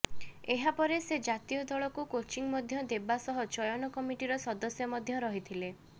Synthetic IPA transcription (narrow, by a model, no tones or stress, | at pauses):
eɦapɔɾesed͡ʒat̪ijɔd̪ɔɭɔkukot͡ʃiŋmɔd̪ʱjɔd̪ebasɔɦɔt͡ʃɔjɔnɔkɔmiʈiɾɔsɔd̪ɔsjɔmɔd̪ʱjɔɾɔɦit̪ʰile